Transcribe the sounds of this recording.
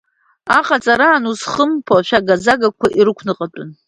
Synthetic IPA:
aqʼat͡sʼaɾaːnuzχəmpʰaʃᶣaɡazaɡakʷʰaʔiɾɨkʷʰnɨqʼatʷʼʊn

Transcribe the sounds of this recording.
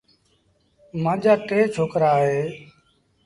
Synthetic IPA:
mãːʄaːteːt͡ʃʰoːkɾaːɦeː

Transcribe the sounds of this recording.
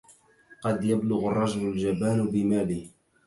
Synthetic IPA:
qɑd̪jablʊɣʊrˤːɑʒlald͡ʒabaːnbɪmaːliː

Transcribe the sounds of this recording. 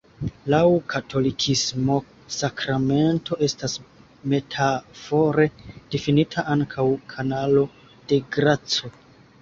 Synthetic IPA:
lawkʰatʰo̞likʰismo̞ | sakɾame̞nto̞ʔe̞stas | me̞tʰafo̞ɾe̞d̥ifinitʰaʔaŋkʰawkʰanalo̞ | d̥e̞ɡɾat͡so

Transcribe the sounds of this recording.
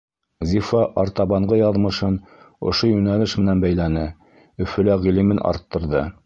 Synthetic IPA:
zʲifɑʔɑɾt̪ɑβɑɴɢɤjɑðmɤ̆ʃɤn | ŏ̰ʃojʉnælɘʃmɘ̆nænbæjlænɘ | ɵ̆fɵ̆læʁilimɘnʔɑ̰ɾt̪ːɤ̆ɾðɤ

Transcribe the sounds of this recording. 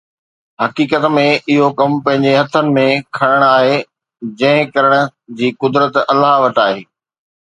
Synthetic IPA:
hɐkiːkət̪mẽɪɦokɐmpɐ̃ɦɪ̃ɲd͡ʑeɦɐt̪ʰːənɪ̆mẽkʰɐɽ̃əɽ̃aːɦe | d͡ʑɐ̃ɦɪ̃kɐɾəɽ̃ʊ̆d͡ʑiːkʊd̪ɾət̪ɐlaɦʋɐʈaːɦeː

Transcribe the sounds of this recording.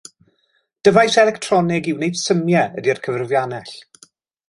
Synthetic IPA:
d̥əvajsɛlɛktʰrɔnɪɡɪwnejd̥səmjɛədiərkʰəvrvjanɛɬ

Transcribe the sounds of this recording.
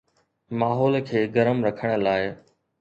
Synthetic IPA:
maːɦɔːlkʰeːɡəɾəmɾɐkʰəɽ̃əlaːɪ

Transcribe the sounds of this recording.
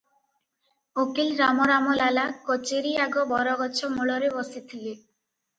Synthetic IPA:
okilɾamɔɾamɔlalakɔt͡ɕeɾiaɡɔbɔɾɔɡɔt͡ɕʰɔmuɭɔɾebɔsit̪ʰile

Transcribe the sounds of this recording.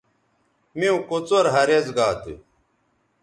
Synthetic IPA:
miũkot͡soɾɦɐɾezɡaːt̪ḭ

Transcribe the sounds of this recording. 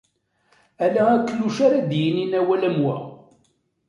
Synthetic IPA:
ælæækːlːuʃaɾad̪jəninæwælæmwæ̰

